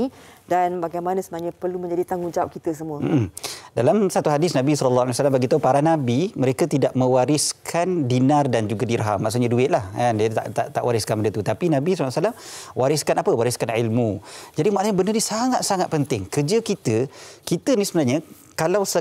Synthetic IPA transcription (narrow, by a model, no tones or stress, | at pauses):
idanbaɡajmanãsəmənaɲapərlumə̃ɲd͡ʒadit̪aŋɡuŋd͡ʒawap̚kit̪əs̬əmũəm̩ʔm̩dalamsat̪uɦadɪsnãbisɔləlːahaljwasalambaɡit̪aupaɾanabiməɾekat̪idaʔ̚mə̃waɾɪskʰandinardand͡ʒuɡadirɦamːaʔsuʔɲaduɪt̪̚lahandiət̪a̰ʔt̪aʔt̪aʔwaɾɪskanməndət̪ut̪apinãbisɔlːsalamwaɾɪskanapəwaɾiskanʕilmud͡ʒadimaʔsaɲabənərdəsaŋat̪̚saŋat̪̚pənt̪ɪŋkərd͡ʒəkit̪əkit̪ənisəbənarɲa | kalawsə